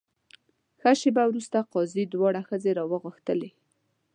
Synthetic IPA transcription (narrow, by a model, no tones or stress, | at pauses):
xaʃebawɾust̪aqɑzid̪wɑɽaxəzeɾɑwəɣəxt̪əle